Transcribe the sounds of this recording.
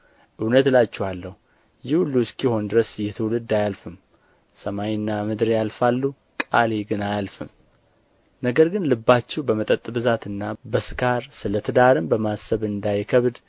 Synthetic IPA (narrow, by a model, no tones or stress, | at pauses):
ʔɨwnət̪lat͡ʃːɛhalːəhu | jɪhulːuskjɪho̞nd̪ɨɾəsjɛt̪ʰɨwulɨd̪ːajalfɨm | səmajnːamɨd̪ɾjalfalːu | kʼaleɡɨnajalfɨm | nəɡəɾɡɨnlɨbːat͡ʃːɛwbəmət̪ʼət̪ʼːbɨzat̪ɨnːabəsɨkʰaɾsɨlət̪ʰɨd̪aɾɨmbəmasəβɨnd̪ajkʰəβd̪